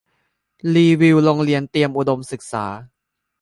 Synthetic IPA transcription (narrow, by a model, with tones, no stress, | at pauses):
liː˧wi˧wlo˧ŋli˧ənt̪i˧əmʔu˨˩do˧msɯ˨˩k̚sa̰ː˩˦